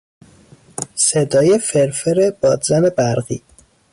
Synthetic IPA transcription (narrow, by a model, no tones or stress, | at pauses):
sed̪ɒːjefeɾfeɾebɒːd̪zæne̞bæɾɣiː